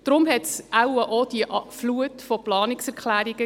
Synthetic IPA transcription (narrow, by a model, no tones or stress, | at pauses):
d̥ɾʊmɦɛtsʔawəʔɔd̥iəʔfluətfɔplɑːnɪksɛɾkχlæːɾiɡ̥ə